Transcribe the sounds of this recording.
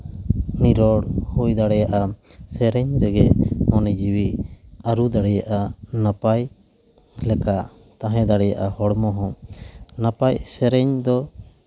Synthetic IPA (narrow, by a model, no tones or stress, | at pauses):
niɾɔɽhujd̪aɽɛjaʔasɛɾɛɲd̪ɛɡɛmɔnɛd͡ʒiwiaɾud̪aɽɛjaʔanapaj | lɛka | t̪ãɦɛ̃d̪aɽɛjaʔahɔɽmɔɦɔ̃napajsɛɾɛɲd̪ɔ